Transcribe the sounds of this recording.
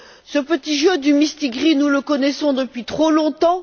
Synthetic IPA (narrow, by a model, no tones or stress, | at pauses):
səpət̪iʒød̪ymist̪iɡʁinuləkɔnɛsɔ̃d̪əpɥit̪χolɔ̃t̪ɑ̃